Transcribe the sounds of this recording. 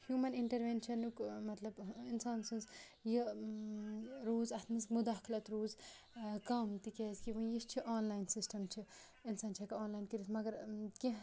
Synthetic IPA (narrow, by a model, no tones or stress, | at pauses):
hjuːmɐniɳʈɐɾʋeːnʃʰɐnukmɐt̪lɐbinsaːnsɨnz | ji | ɾoːzɐt̪ʰmɨskmud̪aːklɐt̪ɾoːz | kaːmt̪ikɛːzkiʋɐ̃jist͡ʃʰiʔaːnlaːjnsisʈɐmt͡ʃʰi | insaːnt͡ʃʰɐkɐaːnlaːjnkiɾismɐɡɐɾkeɦ